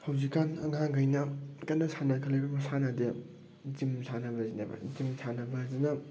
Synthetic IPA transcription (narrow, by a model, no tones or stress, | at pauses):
hɐwzikːanɐ̰ŋaŋɡɐjnɐkɐnːɐsʰanakʰɐlebɐmɐsanade | zimsʰanɐbɐzinabɐ̰zimsʰanɐbɐzinɐ